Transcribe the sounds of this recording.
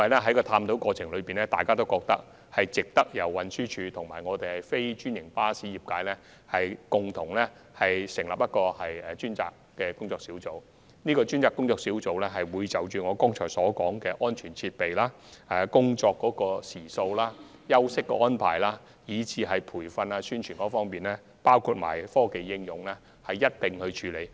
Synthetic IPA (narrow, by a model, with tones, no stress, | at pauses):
jɐ˥mɐ˨jlɛ˥ɦɐ˥jkɔː˧t̪ʰaː˧mt̪o˨˥wkɔː˧t͡sʰɪ˨˩ŋlɵ˨˧piː˨nlɛ˥t̪aː˨jkaː˥t̪o˥wkɔː˧k̚t̪ɐ˥k̚ | hɐ˨jt͡sɪ˨k̚t̪ɐ˥k̚jɐ˨˩wwɐ˨nsyː˥t͡ʃʰyː˧t̪ʰʊ˨˩ŋma̰ː˨˩jŋɔː˨˧t̪e˨jhɐ˨jfe˥jt͡ʃyː˥njɪ˨˩ŋpaː˥siː˨˥jiː˨p̚kaː˨˧jlɛ˥ | hɐ˨jkʊ˨ŋt̪ʰʊ˨˩ŋlɛ˥hɐ˨jsɪ˨˩ŋlɐ˨p̚jɐ˥t̚kɔː˧hɐ˨jɛː˨t͡ʃyː˥nt͡sa̰ː˧kːɛː˧kʊ˥ŋt͡sɔː˧ksi˨˥wt͡so˨˩w | niː˥kɔː˧t͡ʃyː˥nt͡saː˨˧kːʊ˥ŋt͡sɔː˧k̚siː˨˥wt͡so˨wlɛ˥ɦɐ˨jwuː˨˧jt͡sɐ˨wt͡ʃyː˨ŋɔː˨˧kɔː˥ŋt͡ʃʰɔː˨˩sɔː˨˥kɔː˨˥ŋkɛː˧ʔɔː˥nt͡ʃʰyː˨˩nt͡sʰiː˧t̚pe˨jlaː˥ | aː˨˧kʊ˥ŋt͡ʃɔː˧kːɔː˨˥kɔː˧siː˨˩so˧wlaː˥ | jɐ˥wsɪ˥kːɔː˧ɔː˥npʰa̰ː˨˩jlaː˥ | jiː˨˧t͡sʰiː˨˧ɦɐ˨jpʰuː˨˩jfɐ˧naː˧syː˥nt͡ʃʰyː˨˩nkɔː˨˥fɔː˥ŋpiː˨nlɛ˥ | paː˥wkʰuː˧t̚ma̰ː˨˩jfɔː˥ke˨jːɪ˥ŋjʊ˨ŋlɛ˥ | hɐ˨jːɐ˥t̚t̪ɪ˨ŋhɵ˧ɥt͡ʃʰyː˨˧le˨˧j